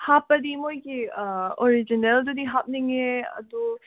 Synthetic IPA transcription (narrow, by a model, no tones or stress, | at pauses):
hapːɐd̪imojɡioɾid͡ʒineld̪ud̪iɦap̚niŋeɐ̰d̪u